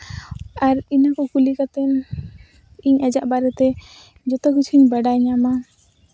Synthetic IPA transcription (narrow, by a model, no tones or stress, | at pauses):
aɾinakɔkulikat̪ɛn | iɲad͡ʒaʔbaɾɛt̪ɛ | d͡ʒɔt̪ɔkut͡ʃʰiɲbaɖaɲama